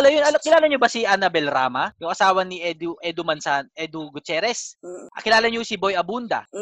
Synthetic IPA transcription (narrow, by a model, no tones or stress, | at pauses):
ɐlɐjonɐlkɪlaːlɐɲobɐsiʔɐnɐbɛlɾaːmɐjʊŋʔɐsaːwɐnɪʔɛd̪uʔɛd̪ʊmɐnsanʔɛd̪ʊɡʊt̪ɛːɾɛsʔɐkɪlaːlɐɲosɪbojɐbund̪ɐ̰